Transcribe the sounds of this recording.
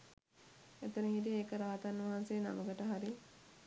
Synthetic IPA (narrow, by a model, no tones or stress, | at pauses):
et̪ənəɦit̬ieːkəɾaːt̪anːʋaɦanseːna̰məɡəʈəɦaɾi